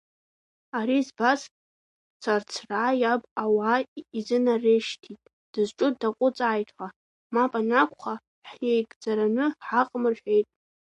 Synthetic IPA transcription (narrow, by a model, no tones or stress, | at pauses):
aɾizbas | t͡sʰart͡sʰraːjabʼawaizɨnareʃtʰitʼ | d̥ɨzʈ͡ʂʼʊdaqʷʼʊt͡sʼaːjtʰʼħa | mapʼanakʷʰʼχa | ħjejɡʼd͡zaɾanɨħaqʼmɨrʃᶣejtʼ